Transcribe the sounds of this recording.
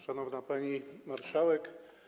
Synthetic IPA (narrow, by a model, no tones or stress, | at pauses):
ʂanɔvnapaɲimaɾʂawɛk